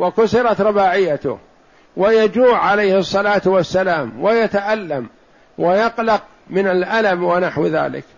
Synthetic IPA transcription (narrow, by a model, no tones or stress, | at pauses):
wakʊsɪɾˤɑt̪ɾˤɑbaːʕɪjːat̪ʊ̰h | wajad͡ʒuːʕːalajhɨsˤːɑlaːt̪wasːalaːmwajat̪aʔalːam | wajaqlɑq̚ | mɪnalʔalamwanaħwða̰ːlɪ̰k